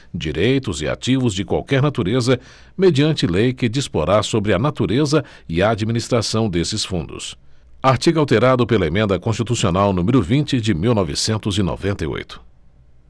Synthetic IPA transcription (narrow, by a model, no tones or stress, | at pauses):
d͡ʒiɾejt̪ʊzɪa̰t͡ʃivʊzd͡ʒɪkwa̰wkɛɾnat̪uɾezɐ | med͡ʒiɐ̃nt͡ʃɪlejkɪd͡ʒispoɾasobɾɪɐnat̪uɾezɐ | ɪɐːd͡ʒiminist̪ɾasɐ̃w̃d̪esɪsfũnd̪ʊ̰s | aɾt͡ʃiɡawt̪eɾad̪ʊpelɐemẽnd̪ɐkõst͡ʃit̪usionawnũmɪɾʊvĩnt͡ʃɪd͡ʒɪmiwnɔvɪsẽnt̪ʊzino̰vẽnt̪ɐjo̰jt̪ʊ̥